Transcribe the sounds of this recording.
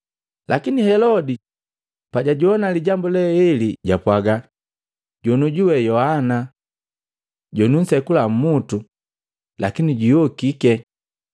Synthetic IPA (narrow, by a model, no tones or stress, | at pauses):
lʔakinihɛlɔdi | paɟaɟuɔnaliɟambulɛɛliɟapwaɡa | ɟɔnuɟuwɛjɔhana | ɟɔnun̩sɛkulam̩mutu | lakiniɟujɔkikɛ